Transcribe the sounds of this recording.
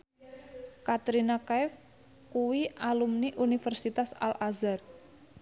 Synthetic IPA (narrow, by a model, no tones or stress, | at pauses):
kat̪ɾinakaɛf | kuwialumniʔunifərsit̪asa̰lʔazar